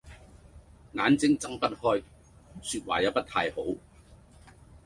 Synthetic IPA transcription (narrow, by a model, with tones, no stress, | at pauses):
ŋaː˨˥nt͡sɪ˨˥ŋt͡sɐ˥ŋpɐ˥t̚hɔː˥j | syː˧t̚wa̰ː˨˩ja˨˧˥pɐ˥t̪̚ʰaː˧jho˨˥w